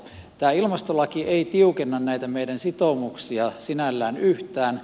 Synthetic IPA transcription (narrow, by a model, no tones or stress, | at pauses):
t̪æːilmɑst̪olɑkieˑit̪iukenːɑnnæˑit̪æmeidænsit̪omuksiɑsinælːæːnyht̪æːn